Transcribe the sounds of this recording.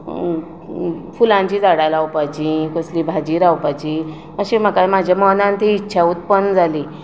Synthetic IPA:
fulãɲt͡ɕiːd͡zaɽajlawpajt͡ɕikoslibʱad͡ʑiːɾawpat͡ɕi | məɕim̤əkamad͡ʑʱjamənãnt̪iːtːɕʰaut̪̚pənd͡zʱali

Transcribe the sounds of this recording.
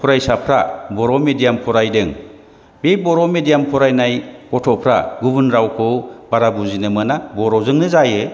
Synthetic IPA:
pʰuɾajsapʰɾabɔɾɔmedijampʰɔɾajdɯŋ | bebɔɾɔmedijampʰɔɾajnajkɔtʰɔpʰɾa̰ɡubɯnɾawkʰɯwbaɾabuzinɯmɯnabɔɾɔzɯŋnɯzajɯ

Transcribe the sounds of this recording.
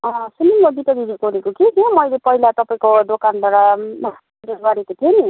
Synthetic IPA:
ʌ̃sunimʌd̪it̪ʌɡid̪ikoɾekokikemʌjlepʌɦilat̪ʌpaĩkod̪okand̪ʱwaɽama | ɾeɡʌɾekot̪ʰieni

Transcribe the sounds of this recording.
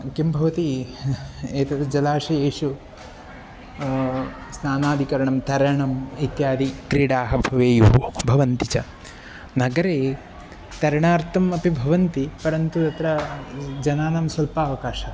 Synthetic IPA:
kimbʱɐʋɐt̪i | eːt̪ɐt̪ɐd͡ʒɐlaːʃɐeːʃu | snaːnaːd̪ʱikɐɾɐɳɐmt̪ɐɾɐɳɐmit̪jaːd̪ikɾiːɽaːɦɐbʱɐʋeːjuɦubʱɐʋɐnt̪it͡ʃɐ | nɐɡɐɾeː | t̪ɐɾɐɳaːɾt̪ʰɐmɐpibʱɐʋɐnt̪ipɐɾɐnt̪ut̪ɐt̪ɾɐd͡ʒɐnaːnɐmsɐlpaːʋɐkaːʃɐ

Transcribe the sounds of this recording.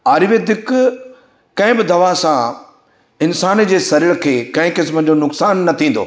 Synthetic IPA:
aːɾɪʋed̪ɪk | kɐ̃ɦɪ̃bɪd̪ʱɐʋasã | ɪnsaːnd͡ʑeːsɐɾɪɭkʰeːkɐ̃ɦɪ̃kɪsməd͡ʑonʊksaːnːɐt̪ʰĩːnd̪o̰ː

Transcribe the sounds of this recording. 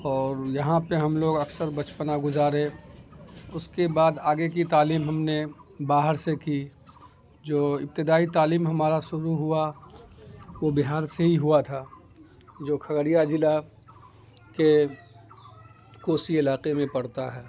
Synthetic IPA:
ɔːɾjɐɦãpeɦɐmloːɡɐksəɾbɐt͡ʃpənaɡʊzaːɾẽ | ʊskebaːd̪aːɡek̬it̪aːliːmɦɐmnebaːɦəɾseki | d͡ʒoːɪ̰p̚t̪ɪd̪aːit̪aːliːmɦɐmaːɾaʃʊɾuɦʊa | ʋobɪɦaːɾseɦiɦuat̪ʰaː | d͡ʒoːkʰɐɡɾijad͡ʒɪla | ke | koːsiɪlaːqemẽpɐɽt̪aɦɛː

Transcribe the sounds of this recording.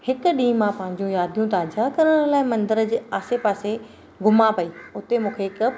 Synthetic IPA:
hɪk̆ɗiːmːãpɐ̃ɦɪ̃ɲd͡ʑũjaːd̪ʱjũt̪aːd͡ʑakɐɾəɽ̃laːɪmɐ̃nd̪əɾəd͡ʑeːaːsepaːse | ɡʱʊmapɐiːʊt̪emũːkʰeɪk

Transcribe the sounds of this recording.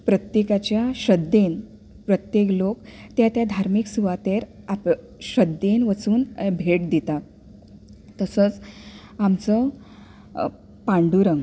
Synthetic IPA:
pɾət̪jekat͡ɕjaɕəd̪ʱːen | pɾət̪jeklokt̪jat̪jad̪ʱaɾmiksuʋat̪eɾ | a | ɕəd̪ʱenʋət͡suːnbʱeʈ̚d̪it̪a | t̪əsəːt͡samt͡sə | pãɳɖuɾəŋɡ

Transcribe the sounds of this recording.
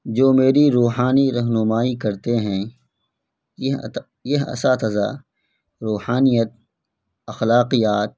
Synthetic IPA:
d͡ʒoːmeːɾiɾuːɦaːniɾɐɦnʊmaːikɐɾt̪eɦɛ̃ | jɐɦɐ̰sat̪ɐza̰ | ɾuːhaːnijət̪̚ | ɐxlaːqijaːt̪̚

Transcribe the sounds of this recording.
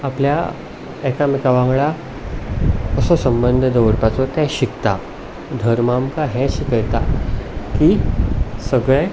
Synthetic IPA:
aplja̰ | ɛkamikaʋãŋɡɭa | kəsɔsəmbənd̪ʱəd̪əʋɾpat͡sɔt̪ɛ̃ɕikt̪a | d̪ʱəɾmamkaɦɛ̃ɕikəjt̪aki | səɡɭe

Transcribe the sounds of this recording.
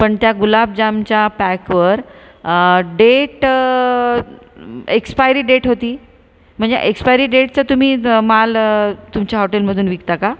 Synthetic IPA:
pəɳt̪jaɡulab̚d͡ʑamt͡ɕjapækʋəɾ | ɖeʈ | ekspajɾiːɖeʈɦot̪iː | m̤əɳd͡zḛʔekspajɾiːɖeʈ̚t͡sət̪um̤iːmalt̪umt͡ɕjaɦoʈelməd̪ʱuːnʋikt̪aka

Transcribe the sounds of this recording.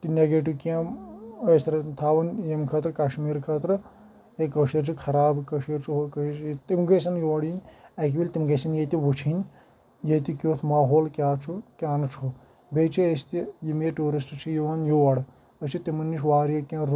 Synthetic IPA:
t̪inʲeɡeːʈikʲãːɐsɾɐt̪ʰaːʋɐnjemkʰɐːt̪ɾɨkaʃmiːɾkʰɐːt̪ɾɨ | ekɐʃiɾt͡ʃʰikʰɐɾaːbkɐʃiɾt͡ʃʰiɦokɐt̪imɡɐsɐnjiʋɐɽinʲɐk̬ʲibilʲt̪imɡɐsɐnjet̪iʋut͡ʃʰinʲ | jet̪ikʲoːt̪ʰmaːɦoːlkʲaːt͡ʃʰukʲaːnɨt͡ʃʰo | beːt͡ʃʰiest̪ijimeʈuːɾisʈt͡ʃʰijiʋaːnjiʋɐɽ | ɐt͡ʃʰit̪imɐnːiʃʋaːɾjɐkʲãːɾ

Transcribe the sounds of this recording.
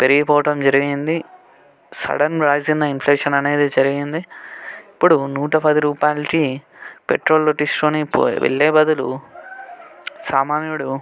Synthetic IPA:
peɾiɡipɔːʋɐʈɐmd͡ʒɐɾiɡind̪i | sɐ̰ɽɐnɾaːd͡ʒind̪ɐinfʰleːʂɐnɐne̞ːd̪eːd͡ʒɐɾiɡind̪iː | pːuɽunuːʈɐpɐd̪iɾuːpaːjlki | peʈɾo̞ːlːoʈisʈloːnipːʋḛɭːeːbɐd̪ulṵ | saːmaːniuɽu

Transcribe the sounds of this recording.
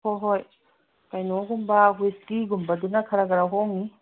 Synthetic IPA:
ɔɦoj | kajnɔɡumbaɦueskiɡumbadunakʰaɾaɡaɾaɦɔŋi

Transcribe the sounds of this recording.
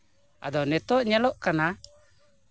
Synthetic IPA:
a̰d̪ɔnɛt̪ɔʔɲɛlɔʔkana

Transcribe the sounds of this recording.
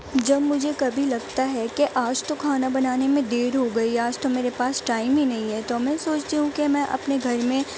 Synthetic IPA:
d͡ʒɐbmʊd͡ʒʱekɐbʱilɐɡ̚t̪aɦɛkeʔaːd͡ʒt̪okʰaːnabɐnaːnemẽd̪eːɾɦoɡɐiaːd͡ʒt̪omeːɾepaːsʈaːɪmɦinɐɦĩɦɛt̪omɛ̃soːt͡ʃt̪iɦũkemɛ̃ʔɐ̰pneɡʱɐɾmẽ

